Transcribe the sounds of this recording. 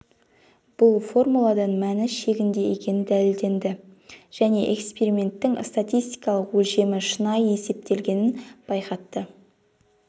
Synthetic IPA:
b̥ʊlˠfo̞rmulˠɑd̪ɑnmænɪʃe̞ɡʲɪnd̪e̞jekʲe̞nɪnd̪ælɪld̪e̞nd̪ɪʒ̥æne̞ʔekspe̞ɾimʲe̞nt̪ːɪŋst̪at̪ʲijst̪ijkɑlˠəqwɵʒe̞mɪʃənɑje̞se̞p̚t̪e̞lɡʲe̞nɪnb̥ɑjqɑt̪ːə

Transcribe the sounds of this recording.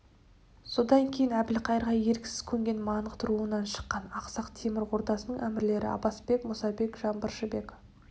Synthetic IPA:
so̞d̪ɑŋkʲʰe̞jɪnæbɪlqʰɑjəɾʁɑje̞ɾkʲɪ̥sɪz̥kʲʰɵŋɡʲe̞nmɑnəqt̪ʰʊɾuənɑnʃə̥qːɑnɑqsɑqt̪ʰe̞mɪɾo̞ɾt̪ɑsənəɴʔæmɪɾle̞ɾɪ̰ɑ̰bɑsbe̞kmʊsɑbe̞kʒɑnbəɾʃəbe̞k

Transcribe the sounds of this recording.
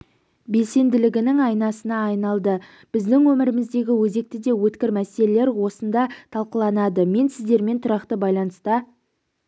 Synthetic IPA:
be̞lse̞nd̪ɪlɪɡʲɪnɪŋɑjnɑsənɑːjnɑlˠd̪ə | b̥ɪzd̪ɪŋwɵmɪɾɪmɪzd̪e̞ɡʲɪwɵze̞k̚t̪ɪd̪e̞wɵt̪kʲɪɾmæse̞le̞le̞ɾwo̞sənd̪ɑt̪ʰɑlˠqəlˠɑnɑd̪əme̞nsɪzd̪e̞ɾme̞nt̪ʰʊɾɑqt̪əbɑjlˠɑnəst̪ɑ

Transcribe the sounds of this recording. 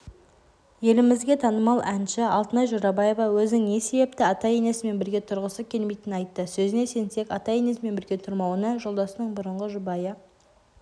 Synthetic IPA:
je̞lɪmɪzɡʲe̞t̪ʰɑnəmɑlˠænʃɪɑlˠt̪ənɑjʒoɾɑbɑje̞vɑwɵzɪnɪŋne̞se̞be̞p̚t̪ɪɑt̪ɑje̞ne̞sɪme̞nbɪɾɡʲe̞t̪ʰʊɾʁəsəkʲʰe̞lme̞jt̪ɪnnɑjt̪ːəsɵzɪne̞se̞nse̞kɑt̪ɑje̞ne̞sɪme̞nbɪɾɡʲe̞t̪ʰʊɾmɑwənəʒo̞lˠd̪ɑsənəɴbʊɾəɴʁəʒʊbɑjə

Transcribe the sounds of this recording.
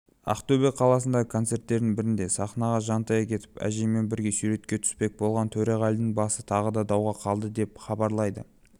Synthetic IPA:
ɑ̰qt̪ɵbeqʰːɑlˠɑs̬ənd̪ɑʁəkʰo̞nt̪se̞rt̪ːe̞ɾd̪ɪŋbɪɾɪnd̪e̞sɑχnɑʁɑʒɑnt̪ɑjɑkʲʰe̞t̪ɪ̥pæ̰ʒeme̞nbɪɾɡʲe̞syɾe̞t̪kʲe̞t̪ʰʏ̥spe̞k̚bo̞lˠʁɑnt̪ʰɵɾeʁɑld̪ɪŋbɑsət̪ʰɑʁəd̪ɑd̪ɑwʁɑqʰɑlˠd̪əd̪e̞pχɑbɑɾlˠɑjd̪ə

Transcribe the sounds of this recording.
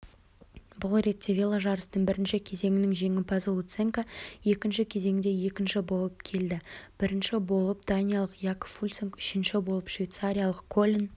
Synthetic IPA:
bʊlˠre̞t̪ʲːe̞vʲelˠaʒɑɾəsənəɴbɪɾɪnʃɪkʲʰe̞ze̞ŋɪnɪŋʒe̞ŋɪpʰɑzlˠut̪seŋkaje̞kʲɪnʃɪkʲʰe̞ze̞ŋɪd̪e̞je̞kʲɪnʃɪbo̞lˠəp̚kʲʰe̞ld̪ɪb̥ɪɾɪnʃɪbo̞lˠəp̚d̪̥anʲijalˠəqjakfulʲt̪seŋkʏ̥ʃɪnʃɪbo̞lˠəpʃvʲijt̪saɾʲijalˠəqkːʰolʲin

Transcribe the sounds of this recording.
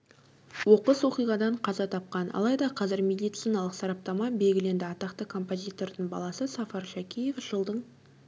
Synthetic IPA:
wo̞qəswo̞qijʁɑd̪ɑɴqʰɑzɑt̪ʰɑp̚qɑnʔɑ̰lˠɑjd̪ɑqʰɑzɪɾmʲe̞d̪ijt̪sijnɑlˠəqsɑɾɑp̚t̪ɑmɑbe̞lɡʲɪle̞nd̪ɪɑt̪ɑqt̪əkʰo̞mpo̞zʲijt̪o̞ɾd̪ɪɴbɑ̰lˠɑsəsɑfɑɾʃækʲije̞fʒəlˠd̪əɴ

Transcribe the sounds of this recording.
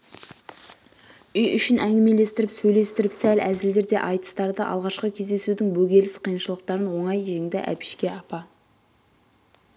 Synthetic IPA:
ʏjʏʃɪnʔæŋɡʲɪme̞le̞st̪ɪɾɪpsɵjle̞st̪ɪɾɪpsælæzɪld̪e̞ɾd̪e̞ʔɑjt̪ə̥st̪ɑɾd̪əʔɑ̰lˠʁɑʃqəkʲʰe̞zd̪e̞sud̪ɪŋbɵɡʲe̞lɪsqʰijənʃəlˠəqt̪ɑɾənwo̞ɴɑjʒe̞ŋd̪ɪʔæ̰pɪ̥ʃkʲe̞ɑpɑ

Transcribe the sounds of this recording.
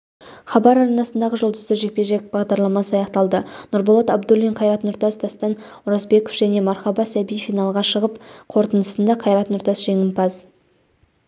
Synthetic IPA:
χɑbɑɾɑɾɑnɑsənd̪ɑʁəʒolˠd̪əzd̪əʒe̞k̚pe̞ʒe̞k̚bɑʁd̪ɑɾlˠɑmɑsəɑjɑqt̪ɑlˠd̪ənʊɾbolˠɑt̪ɑbd̪olˠiɴqʰɑjɾɑt̪nʊɾt̪ɑsd̪ɑst̪ɑn | ʊɾɑzbe̞kofʒ̥æne̞mɑɾχɑbɑsæbijfijnɑlˠʁɑʃəʁəpqʰo̞ɾt̪ənəsənd̪ɑqʰɑjɾɑt̪nʊɾt̪ɑsʒ̥e̞ŋɪnpʰɑz

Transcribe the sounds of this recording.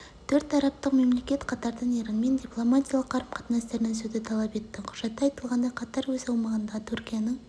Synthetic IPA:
t̪ʰɵɾt̪ʰɑɾɑp̚t̪əqme̞mle̞kʲe̞t̪qʰɑt̪ɑɾd̪əɴeɾɪnme̞nd̪ʲiplˠomat̪ʲijalˠəqʰːɑɾpqʰɑ̥t̪nɑst̪e̞ɾɪnɪŋsɵzd̪ɪt̪ʰɑlˠɑpe̞t̪ːɪqʰʊ̥ʒ̥ɑt̪ːɑɑjt̪əlˠʁɑnd̪ɑjqʰɑt̪ɑɾwɵzɑwmɑʁənd̪ɑt̪ʰuɾkʲijanəɴ

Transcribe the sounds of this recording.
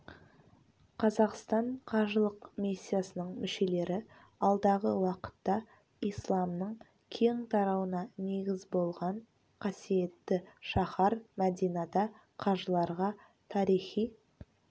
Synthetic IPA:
qʰɑzɑqst̪ɑɴqʰɑʒəlˠəqmʲisʲːijasənəɴmɪʃe̞le̞ɾɪ | ɑlˠd̪ɑʁəwɑqə̥t̪ːɑ | ijslˠɑmnəɴ | kʲʰeŋt̪ʰɑɾɑwənɑne̞ɡʲɪzbo̞lˠʁɑɴ | qʰɑsije̞t̪ːɪʃɑχɑɾmæd̪ijnɑd̪ɑ | qʰɑʒəlˠɑɾʁɑ | t̪ʰɑɾijχij

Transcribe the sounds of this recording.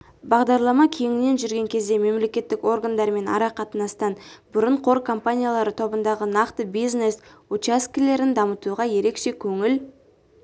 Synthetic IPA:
bɑʁd̪ɑɾlˠɑmɑkʲʰe̞ŋɪne̞nʒʏɾɡʲe̞ŋkʲʰe̞zd̪e̞me̞mle̞kʲe̞t̪ːɪko̞rɡand̪ɑɾme̞nɑ̰ɾɑqʰɑt̪ənɑst̪ɑnbʊɾəɴqʰo̞ɾkʰo̞mpanʲijalˠɑɾət̪ʰo̞bənd̪ɑʁənɑqt̪əbijzne̞sut͡ʃaskʲile̞ɾɪnd̪ɑmət̪uʁɑje̞ɾe̞kʃe̞kʲʰɵŋɪl

